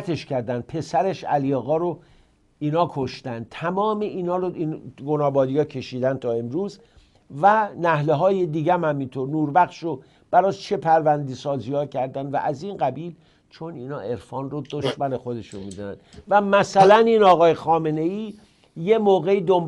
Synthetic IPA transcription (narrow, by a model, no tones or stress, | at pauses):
t̪ʰe̞ʃcæɾd̪ænd̪̚pʰe̞sæɾe̞ʃæ̰lijeɣɒːɾo | iːnɒːkʰo̞ʃt̪ænd̪̚t̪ʰæmɒːmeʔiːnɒːɾoinɡonɒːbɒːd̪ijɒːcʰe̞ʃiːd̪ænd̪̚t̪ʰɒːe̞mɾuːz | vænæhleɦɒːjed̪iːɟæmhæmint̪ʰoɾnuːɾbæxʃo | b̥æɾɒːt͡ʃʰe̞pʰæɾvænd̪isɒːzijɒːcʰæɾd̪ænd̪væ̰ʔæzinɡæbiːl | t͡ʃʰo̞niːnɒːʔe̞ɾfɒːnrod̪oʃmæne̞xo̞d̪e̞ʃonmiːd̪ɒnæ̰nd̪væmæsælæniːnɒːɣɒːjexɒːme̞ne̞iː | je̞moːɣe̞iːd̪om